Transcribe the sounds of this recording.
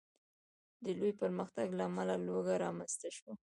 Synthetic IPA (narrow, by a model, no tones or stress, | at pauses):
d̪əlojpəɾməxt̪aɡlaːmalaloɡaɾɑmanst̪aʃwa